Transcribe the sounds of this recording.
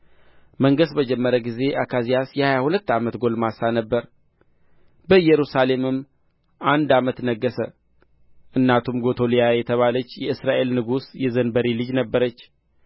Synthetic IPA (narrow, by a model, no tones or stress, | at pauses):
məŋɡəsbəd͡ʒɛmːəɾəɡize̞ʔakʰazijasjɛhajahulət̪ːamət̪ɡo̞lmasanəbːəɾ | bəɨjːɛɾusale̞mɨmː | and̪amət̪nəɡːəsə | ʔɨnːat̪ʰumɡo̞t̪ʰo̞lijajɛt̪ʰəβalət͡ʃːjɛɨsɾaʔe̞lnɨɡusjɛzənbəɾilɨd͡ʒnəbːəɾət͡ʃː